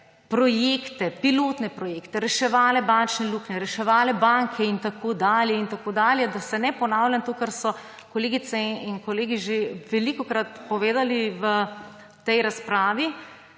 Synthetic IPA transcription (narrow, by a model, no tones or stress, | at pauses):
pɾɔjeːkt̪ɛpiloːt̪nɛpɾɔjeːkt̪ɛɾɛʃɛʋaːlɛbant͡ʃnɛluːknɛɾɛʃɛʋaːlɛbaŋkʰɛint̪akoːd̪aːljɛint̪akoːd̪aːljɛd̪asɛnɛpɔnaːwlʲjant̪oːkɛɾsɔ | kɔleːɡit̪sɛinkɔleːɡiʒeʋɛlikɔkɾat̪pɔʋeːd̪aliʋə | t̪ɛjɾaspɾaːʋi